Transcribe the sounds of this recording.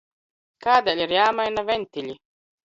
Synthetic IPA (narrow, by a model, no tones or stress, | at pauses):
kaːd̪alʲiɾjaːmajnavɛnʲt̪iʎʲi